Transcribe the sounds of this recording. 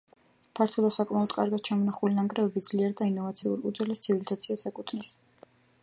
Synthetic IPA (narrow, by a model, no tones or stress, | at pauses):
pʰaɾt̪ʰɔd̪asakʼmaɔd̪̥kʼa̰ɾɡat̪̚t͡ʃʰamɔnaχulinaŋkʼɾɛɛbid̪z̥liɛɾd̪ainɔvat̪sʰiṵɾkʼud̪zwɛlɛst̪sʰivilizat̪sʰiasakʼut̪ʰnis